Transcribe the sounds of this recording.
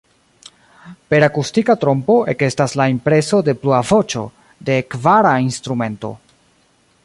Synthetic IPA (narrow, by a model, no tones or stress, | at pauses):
pe̞ɾakustikatɾo̞mpo̞ʔe̞ke̞staslaimpɾe̞so̞de̞pluavo̞t͡ʃo̞̰ | de̞kvaɾainst̪ɾume̞nto̞̰